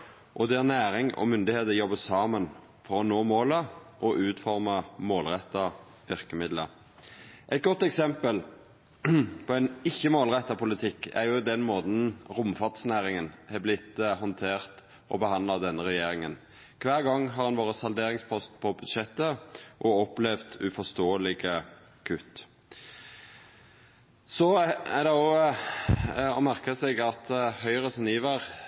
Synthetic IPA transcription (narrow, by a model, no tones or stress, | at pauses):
ʔɔd̪ɛæʁnæːɾɪŋɔ̰mʏnd̪ɪheːt̪əjɔbəsɑːmən | fɔʁɔnoːmoːləʔɔʔʉːt̪fɔʁməmoːlʁɛt̪ːɑ | ʋɪʁkəmɪd̪lə | ʔɛt̪̚ɡɔt̪ːɛksɛmpəl | pʰɔɛɪnɪçːəmoːlʁɛt̪ːɑpʰʊlɪt̪ʰɪkːæ̰ʁjʊd̪ɛnmoːt̪n̩ʁʊmfɑʁt̪snæːʁɪŋənhɛblɪt̪ːhɔnt̪ʰeːʁt̪ | ʔɔbəhɑnd̪lɑd̪ɛnːəʁɛjeːɾɪŋən | kʰʋæːʁɡɑŋːɦɑʁɑnʋoːʁəsɑld̪eːʁɪŋspʰɔst̪pʰɔbʉd̪ʃɛt̪ːəʔɔɔplɛʋd̪ʉfɔst̪oːəlɪɡə | kʰʉt̪ː | sɔæd̪ɛɔ | ɔmæʁkəsɛɡɑt̪hœʏʁəsɔniːʋæʁ